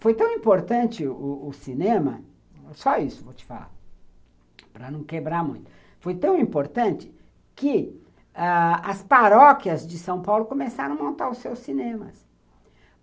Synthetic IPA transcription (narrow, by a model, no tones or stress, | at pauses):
fojt̪ɐ̃w̃ĩmpoɾt̪ɐ̃nt͡ʃɪʊʊsinẽmɐ | sɔisʊvowt͡ʃɪ̥fa̰la̰ | pɾɐnɐ̃w̃kebɾaɾmũj̃t̪ʊ̥ | fojt̪ɐ̃w̃ĩpoɾt̪ɐ̃nt͡ʃɪ̥ | kɪ | aɐspaɾɔkjɐzd͡ʒɪsɐ̃w̃pawlʊkomesaɾɐ̃w̃mõnt̪aɾʊsewsːinẽmɐs